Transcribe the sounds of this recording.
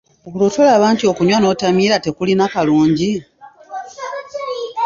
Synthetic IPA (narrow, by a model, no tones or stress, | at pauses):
okulotolaːβaːntio̞kuɲwano̞ːtamiːɾate̞kulinakaluːɲɟi